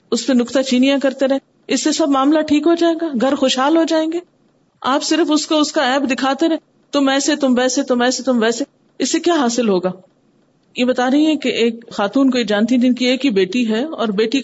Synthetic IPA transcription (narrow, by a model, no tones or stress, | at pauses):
ʊspenʊkt̪at͡ʃiːnijãkɐɾt̪eɾɐɦẽ | ɪsːesɐbmaːmlaʈʰiːkɦod͡ʒaːeːɡaːɡʱɐɾxoːʃɦaːlɦod͡ʒaːẽːŋɡeː | aːpsɪɾəfʊskoʊskaɛːbd̪ɪkʰaːt̪eɾɛɦẽ | t̪ʊmɛːset̪ʊmʋɛːset̪ʊmɛːset̪ʊmʋɛːse | ɪsːekjaːɦaːsɪlɦoːɡaː | jebɐt̪aːɾɐɦĩɦɛ̃keʔeːk̚xaːt̪uːnkoid͡ʒãːnt̪iɛd͡ʒɪnkieːkɦibeːʈiɦɛɔːɾbeːʈi